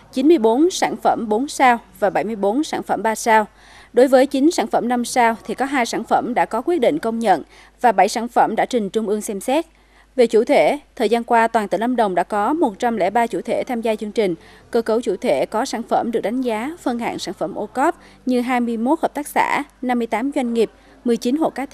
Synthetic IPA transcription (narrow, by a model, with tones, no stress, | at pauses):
t͡ɕi˨˦nmɨ˧əjɓo˨˦nsa̰ː˧˩nfə˧˩mɓo˨˦nsaː˧wvaː˨˩ɓa˧˩jmɨ˧əjɓo˨˦nsa̰ː˧˩nfə̰˧˩mɓaː˧saː˧w | ɗo˨˦jvəː˨˦jt͡ɕï˨˦ŋsa̰ː˧˩˨nfə˧˩mna˧msaː˧wt̪ʰi˨˩kɔ˨˦ɦaː˧jsaː˧˩˨nfə˧˩mɗa̰ː˧˥kɔ˨˦kwi˦˥ət̚ɗḭ̈˧˨ŋ̟kə˧wŋ͡mɲə̰˧˨n | vaː˨˩ɓa˧˩jsaː˧˩nfə˧˩mɗa̰ː˧˥t͡ɕï˨˩ŋ̟t͡ɕʊ˧ŋ͡mʔɨ˧əŋsɛ˧msɛ˦˥t̚ | ve˨˩t͡ɕṵ˧˩t̪ʰwe˧˩t̪ʰəː˨˩zaː˧nkwaː˧t̪waː˨˩nt̪ɨ̰˧˩˨nə˧mɗə˨˩wŋ͡mɗa̰ː˧˥kɔ˨˦mo˨˩t̚t͡ɕa˧mlɛ̰˧˥˩ɓaː˧t͡ɕṵ˧˩t̪ʰe˧˩t̪ʰaː˧mzaː˧t͡ɕɨ˧əŋt͡ɕï˨˩ŋ̟ | kəː˧kə˨˩wt͡ɕṵ˧˩t̪ʰwe˧˩kɔ˨˦saː˧˩nfə˧˩mɗɨ˨˩ək̚ɗa˨˦ŋ̟zaː˨˦fə˧nɦa̰ː˧˨ŋsaː˧˩˨nfə̰˧˩mʔo˧kɔ˦˥p̚ | ɲɨ˧ɦaː˧jmɨ˧əjmo˦˥t̚həː˨˩p̚t̪aː˦˥k̚sa̰ː˧˩˥na˧mːɨ˧əjt̪aː˨˦mzwa˧jŋŋi˨˩əp̚ | mɨ˨˩əjt͡ɕi˨˦nɦo̰˧˨kaː˨˦t̪ʰ